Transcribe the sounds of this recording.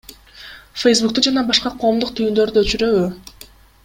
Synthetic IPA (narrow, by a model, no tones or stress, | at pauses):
fejsbuk̚t̪ud͡ʒɑnɑbɑʃqɑqʰo̞ːmd̪uq̚t̪ʰyjynd̪ø̞ɾd̪yøt͡ʃyɾøβy